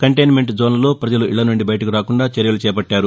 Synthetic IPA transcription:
kɐɳʈejnme̞ɳʈd͡ʒoːnɐlo̞ːpɾɐd͡ʒɐluʔiɭːɐnuɳɖibɐjɐʈɐkiɾaːkuɳɖaːt͡ʃɐɾjɐlut͡ʃɛːpɐʈːaːɾu

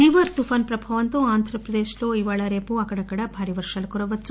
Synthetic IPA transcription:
iːʋɐɾt̪ufʰaːnpɾɐbʱaːʋɐnt̪oaːnd̪ʱɾɐpɾɐd̪eːʃloːiʋaːɭɐɾeːpuɐkɐɽɐkɐɽɐbʱaːɾiʋɐɾʂɐlɐkɔɾɐʋɐtːsu

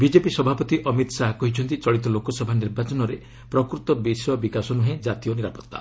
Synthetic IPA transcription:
bid͡ʒepisɔbʱapɔt̪iʔɔmit̪saɦakɔɦit͡ʃʰɔnt̪it͡ʃɔɭit̪ɔlokɔsɔbʱaniɾbat͡ʃɔnɔɾe | pɾɔkɾut̪ɔbisɔbikasɔnuɦẽd͡ʒat̪ijɔniɾapɔt̪ːa̰

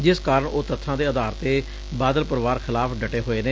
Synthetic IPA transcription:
d͡ʒɪskaːɾəɳoːt̪ət̪ʰːãːd̪eːəd̪aːɾt̪eː | baːd̪əlpəɾʋaːɾxʰɪlaːpɖəʈeːɦoːeːneː

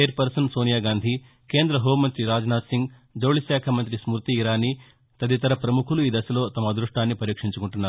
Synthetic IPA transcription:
eɾpɐɾsɐnsoːnijaːɡaːnd̪ʱi | ke̞ːnd̪ɾɐɦoːmɐnt̪ɾiɾaːd͡ʒnaːt̪siŋɡ | d͡ʒɐwɭisaːkʰɐmɐnt̪̬ɾismuɾt̪iːɾaːni | t̪ɐd̪it̪ɐɾɐpɾɐmukʰuluiːd̪ɐsɐlo̞ːt̪ɐmɐd̪ɾuʂʈaːnːipɐɾiːkʂiɲt͡ʃukuɳʈunːaːɾu

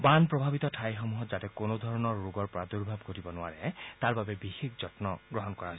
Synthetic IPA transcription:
banpɹɔbʱabit̪ɔtʰajxɔmuɦɔtzatɛkonod̪ʱɔɹɔnɔɹːoɡɔɹpɔɹad̪uɹbʱab̚ɡʱotibɔnʊa̰ɹɛt̪aɹbabɛbixikzɔtnɔɡɹɔɦɔnkɔɹaɦɔ

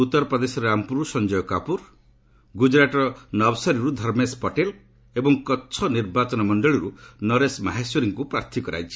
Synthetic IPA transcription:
ut̪ːɔɾɔpɾɔd̪esɔɾeampuɾusɔnd͡ʒɔjɔkapuɾ | ɡud͡ʒɾaʈɔɾɔnɔbsɔɾiɾud̪ʱɔɾmespɔʈel | ebɔŋkɔːt͡ʃʰɔniɾbat͡ʃɔnɔmɔɳɖɔɭiɾunɔɾesmaɦasjɔɾiŋkupɾaɾt̪ʰikɔɾa̰jt͡ʃʰi̥

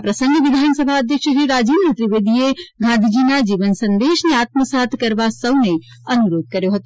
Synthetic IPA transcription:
pɾəsəŋɡʋid̪ʱansəbʱaəd̪ʱjəkʃəɾiɾad͡ʒinət̪ɾiʋed̪ʱijeɡʱãnd̪ʱid͡ʒinad͡ʒiʋənsənd̪esneat̪̚məsat̪ʰkəɾbasəwne | ənuɾoːd̪̚kəɾjoɦot̪o

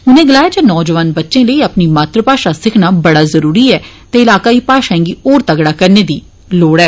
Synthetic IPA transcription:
ʊnẽːɡəlaːjaːd͡ʒaːnɔːd͡ʒəʋaːnbətːʃẽːləiːəpniːmaːt̪ɾəpaːʃaːsɪkʰnaːbəɽaːzəɾuːɾiːɛː | t̪eːɪlaːkaːiːpaːʃãːŋɡiːoːɾt̪əɡɽaːkəɾneːd̪iː | loːɽɛː

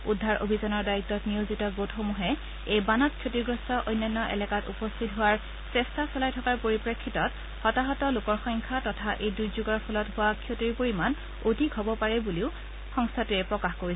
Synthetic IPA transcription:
udʱːaɹo̰bʱizɔnɔɹdaitːɔtnijozitɔɡotxomuɦɛ | ejbanɔt̚kʰjotiɹɡɹɔstɔʔojnːanːɔʔɛ̰lɛkatṵpɔstʰitɦʊaɹ | sɛstʰasɔlajtʰɔkaɹpoɹipɹekʰːitɔt | xɔtaɦɔtɔlʊkɔɹxɔjŋkʰatɔtʰaʔejdujzuɡɔɹpʰɔlɔtɦʊwakʰjotiɹpoɹiman | odʱikɦɔbɔpaɹɛbuliʊ | xɔŋstʰatuɛpɹɔkaxkoɹi

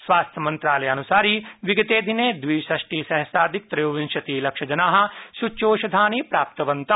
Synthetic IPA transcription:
sʋaːst̪ʰjɐmɐ̃nt̪ɾaːlɐjɐnusaːɾiːʋiɡɐt̪eːd̪ʱineːd̪ʋiːsɐʃʈiːsɐɦɐsaːd̪ʱik̚t̪ɾɐjoːʋinʃɐt̪iːlɐkʂɐd͡ʒɐnaːɦɐ̆ʃut͡ʃoːʃɐd̪ʱaːniːpɾaːp̚t̪ɐʋɐnt̪ɐ

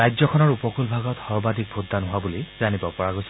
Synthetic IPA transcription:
ajzɔkʰɔnɔɹupɔkulbʱaɡɔtxɔɹbadʱik̚bʱutːanɦʊabulizanibɔpɔɹaɡojsɔ

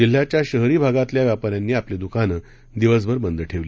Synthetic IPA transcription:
d͡ʑil̤ːjat͡ɕjaɕəɦɾiːbʱaɡat̪ljaʋjapaɾjanːiːapled̪ukanə | d̪iʋəs̬bəɾbənd̪əʈʰeʋli

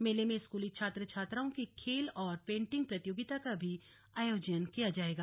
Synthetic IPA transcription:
meːlemẽskuːlit͡ʃʰaːt̪ɾət͡ʃʰaːt̪ɾaõkikʰeːlɔːɾpẽːɳʈɪ̃ŋɡ̚pɾɐt̪ɪjoːɡɪt̪akabʱi | aːjoːd͡ʒənkijad͡ʒaːeːɡaː

